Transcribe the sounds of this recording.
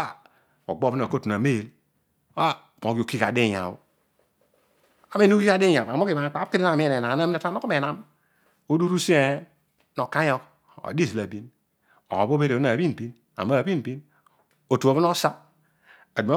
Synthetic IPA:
a˦˨ | o̰˨ɡ͡bo˦bi˦no˨ko˦tu˨na˨me˦je˨l | a˦˨mo˨ki˨o˨ki˦ka˨de˦˨ja̰˨bo̰˦ | a˨me˦n˦ki˦ka˨de˦ja˨a˨mo˦ki˨ma˨˦k͡pa˨˦ki˦ɾi˦a˦˨mi˦˨ne˨na˨˦a˦mi˦a˨˦a˦no˦ko˦e˨na˦m | o˦du˦ɾu˦se˦ | no˨ka˦o˦k | o̰˨˦di˦˨s̬i˨la˨bi˦n | o̰˨bo˦be˦ɾe˨˦a˨bi˦n˨bi˦n | a̰˨ma˦˨bi˦m˨bi˦n | o˨tu˨o˨˦bi˦n˦o˦sa˦ | a˨du˨ma˦

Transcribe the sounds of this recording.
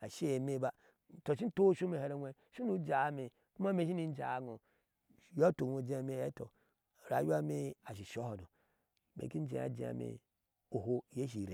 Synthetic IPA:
a˨ʃe˦e˨me˦ba˦˨ | to˨ʃi˦n̩˦to˦ʃu˦me˨he˨ɾe˦nʷe˦ | ʃu˦nu˦d͡ʒa˨˦me˨ | ku˦ma˦me˨˦ʃ̬i˦ni˦n˦d͡ʒa̰˨ɡo˨ | jo˦to˨no˨d͡ʒe˦˨me˦to̰˨ | ɾa̰˨˦ju˦a˦me˦a˨ʃ̬i˨ʃo˦ho˨no˨ | mḛ˨ki˦n˦d͡ʒḛ˨˦a̰˨d͡ʒḛ˨a̰˨mḛ˨ | o˨ɦo˦˨je˦ʃ̬i˨ɾe˨

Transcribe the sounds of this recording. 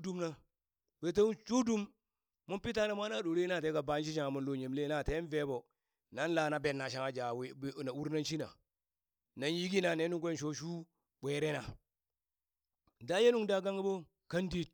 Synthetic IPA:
du˦mna˦ | b̥e˨t̬a˦t͡ʃu˦du˦m | mu˦pi˦ta˦na˨mʷ˦a˦na˦ɗo˨ɾe˦na˦˨te˦ka˨ba˨˦nʃ̬i˦ʃ̬a˦˨ŋa˨mu˨nlo˨ɲe˨mle˦na˨te˦n˦ve˦bo˨ | na˦n˦la˨na˨be˨nːa˨ʃ̬a˨ŋa˨d͡ʒa˨we˦˨na˨u˦ɾna˦nʃi˦na̰˨ | na˨n˦ji˦ɡi˦na˨ne˦nu˦ŋkʷe˦nʃo˦ʃu˦ | ɓʷe˨ɾe˦na˨ | da˦je˦nu˦ŋda˦ɡa˦ŋɡi˦bo˦ | ka˦ndi˦t̚

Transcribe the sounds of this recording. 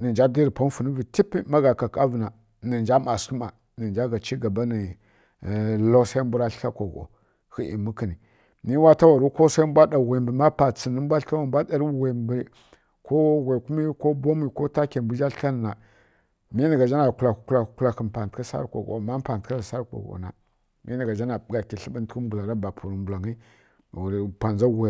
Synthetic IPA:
ni˨nd͡ʒa˦di˦ɾi˨pa˦n˦fu˨nə˦vi˨ti˦pi˦ma˦ɡa˨ka˨ka˦və˨na˨ | ni˨nd͡ʒa˦ma˨ski˦ma˨ | nə˨nd͡ʒa˦ɡa˨t͡ʃi˦ɡa˨ba˦ni˨ | lo˦sa˦i˦mbu˦ɾa˦ɬa˦kʷo˨ɡo̰˨ | xi˦ʔḭ˨mu˦ki˨ni˨ | ni˦wa˦ta˦wa˨ɾu˦ko˦sa˦i˦mbʷa˦da˨we˨mbə˨˦ma˦pa˨t͡si˨nə˦m˦bʷa˦ɬa˦wa˨m˦bʷa˦ɗa˨ɾi˦we˨mb | ko˦ɣʷe˨ku˦mi˦ko˦bo˦mi˨ko˦ta˦ke˨m˨bu˦d͡ʒa˦ɬa˦n˨a˨ | mi˦na˨ɡa˨d͡ʒa˦na˨ku˨la˨kku˦la˨kku˦la˨kə˨m˨pa˨n˨tka˦sa̰˦ɾko̰˨ɡo̰˨ma˦m˦pa˨ntka˦la˨sa˦ɾko̰˨ɡo̰˨na̰˨ | mʔi˦na˨ɡa˨d͡ʒa˦na˨ɡa˨ki˨ɬi˦bə˦n˦tku˦mbu˨la˨ɾa˦ba˨pʰu˨ɾu˨mbu˨la˨ŋi˦˨ | wu˨ɾpʷa˨nza˦wʷe˨

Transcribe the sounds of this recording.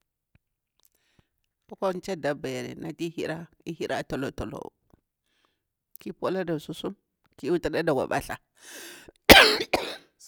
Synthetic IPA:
o˦ko˦n˦t͡ʃe˦da˨ba˨je˨ɾḛ˨na˨ti˦hi˦ɾa˦ | i˦hi˦ɾʔa˦˨to˨lo˨to˨lo̰˨ | ki˦po˦la˦da˨su˦su˦m | ki˦u˦ta˨da˦da˨ɡʷa̰˨ɓa̰˦ɬa˨

